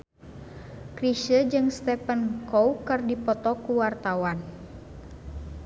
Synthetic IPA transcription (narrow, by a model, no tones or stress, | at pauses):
kɾiʃəd͡ʒɨŋst̪ɛpənkowkɨrdipɔt̪ɔkuwart̪awan